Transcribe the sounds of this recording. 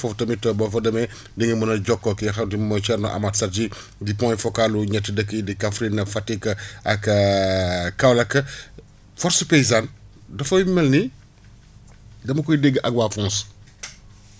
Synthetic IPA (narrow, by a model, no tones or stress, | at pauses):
fɔftɐmitɔbɔfɐdɐmɛ | diŋimɐnɐɟɔkːɔkixɐdimɔt͡ʃɛɾnɔ̰ʔɐ̰matsɐɾd͡ʒi | dipɔ̃jfɔkaluɲɛtːidəkːədikafɾinɐfatikːɐʔɐk | kɐwlɐkːɐ | fɔɾsupejzan | dɐfɐmɛlni | dɐmɐkɔjdɛɡːəʔɐkwaːfɔ̃ns